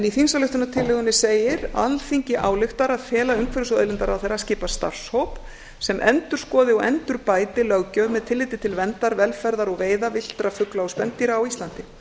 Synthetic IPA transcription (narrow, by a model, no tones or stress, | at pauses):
ɛniθinsalʏht̪ʏnat̪ʰɪlːɪɣʏnɪseːjɪɾa̰lfiɲcɪʔaːwlɪxt̪aɾaðfɛːlaʏŋkʰvɛɾʏsœ̰ːðlɪnt̪aɾawθejɾascɪːpast̪a̰r̥showp | sɛmʔɛ̰nt̪ʏɾ̥skɔːðɪawɛnt̪ʏɾpaːjt̪ɪlœɣcœɣmɛðt̪ʰɪlːɪːt̪ɪt̪ʰɪlvɛnt̪aɾvɛlfɛɾðaɾɔɣveːjðavɪl̥t̪ɾafʏklaɔspɛnt̪iɾaawist̪lant̪ɪ